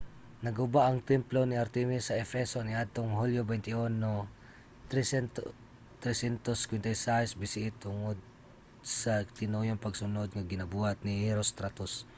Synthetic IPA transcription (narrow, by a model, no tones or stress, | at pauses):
nɐɡʊbaʔɐŋt̪ɛmplonɪʔɐɾt̪ɛmisːɐʔɛfɛsonɪad̪̚t̪oŋhuljobɛnt̪ɪʔonːo | t̪ɾɛsɛnt̪oskwɛnt̪ɐjsajsbɪsɪʔɪt̪ʊŋod̪̚ | sɐt̪ɪnojoŋpɐɡsʊnod̪̚ŋɐɡɪnɐbuhɐt̪̚niɾost̪ɾat̪os